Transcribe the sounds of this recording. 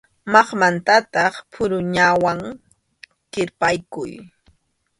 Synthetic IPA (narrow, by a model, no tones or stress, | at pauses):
mɑχmant̪at̪ɑχpʰʊɾʊɲawaŋ | kɪɾpajkʊ̰j